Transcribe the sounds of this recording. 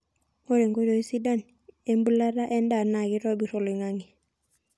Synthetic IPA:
o˦ɾe˨ŋɡo˦d͡ʒo˨i˦si˦da˦˨n | e˦mbu˦la˦ɾa˦ʔɛ˦nda˨na˨ki˦tɔ˦bi˨ɾɔ˨li˨ŋa˦ŋi˨

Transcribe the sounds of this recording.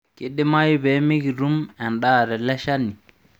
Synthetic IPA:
ke˨ɗːi˦ma˦ju˦bɛ˨mi˦ɡi˨ɾu˦mɛ˨nɗaɾɛ˨lɛ˦ʃa˦nːi˨

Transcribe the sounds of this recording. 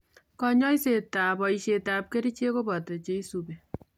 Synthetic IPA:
kɔ˦ɲɔ˦i˦se˨ta˨pɔ˨i˨ʃe˨ta˨p̚ke˦ɾi˦t͡ʃe˦ko˦bɔ˨te˨t͡ʃe˦i˦su˨be˨

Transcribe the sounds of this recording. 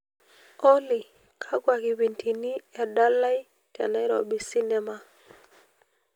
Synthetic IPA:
ɔ˦li˨ | kʰa˦ɡwa˨ki˨wi˨ntʰi˨ni˦ɛ˨da˦la˦i˦ | tɛ̰˨nɛ˦ɾɔ̰˨bi˨si˦nɛ˦ma˨

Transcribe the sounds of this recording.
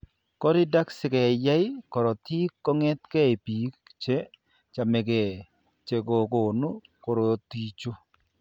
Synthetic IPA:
kɔ˦ɾɪ˦da˦ksɪ˦˨kɛ˨jɛ˦ɪ˦kɔ˨ɾɔ˨t̪i˦kːɔ˦ŋɛ˦t̪̚kɛ˦i˨pi˨˦kt͡ʃe˦ | t͡ʃa˨me˨ɡe˨ | t͡ʃe˨ɡo˨ko˨no˦ko˨ɾo˨t̪i˦t͡ʃo˦

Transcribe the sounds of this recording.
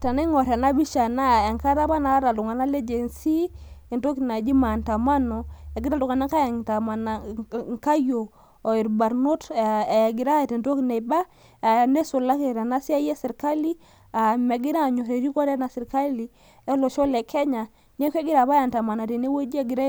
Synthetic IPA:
ta˨ne˦ŋɔ˨ɾɛ˨na˦bi˦ʃa˨na˦˨e˨ŋka˦ɾa˦ba˦na˨˦ɾa˨lu˨ŋa˨na˦le˦d͡ʒe˨nsi˦i˨nto˦kna˨d͡ʒi˦ma˨nta˨ma˦nɔ˨a˨ɡi˦ɾa˦˨du˨ŋa˨na˦ŋka˦jta˨ma˨na˨ŋka˦joː˨ | i˨ɾba˨ɾno˦tɡi˨ɾa˦˨te˨nto˦kne˨ba˦ | a˨ne˦so˨la˦kɾa˨na˦si˦a˦jɛ˦si˨ɾka˦li˦ | a˨mɛ˨ɡi˦ɾa˦˨ɲo˨ɾe˨ɾi˦kɔ˦ɾɛ˦na˨si˨ɾka˦li˨ | ɛ˦lo˨ʃɔ˦lɛ˨kʰɛ˦ɲa˨ | ɲ˦ɛ˦kʷe˦ɡi˦ɾa˨ba˦a˨nta˨ma˨na˨ti˨ne˦wo˦d͡ʒɛ˦ɡi˨ɾa˦

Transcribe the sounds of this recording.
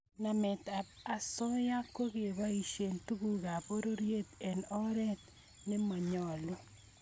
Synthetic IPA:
na˨mɛ˨ta˨pa˨sɔ˦ja˦ko˦ɣe˨βa˦i˨ʃe˨ntu˦ɡu˨ɣa˨po˦ɾo˦ɾje˦t̪e˨nɔ˦ɾɛ˦t̪ | ne˦mɔ˨ɲɔ˨lu˦

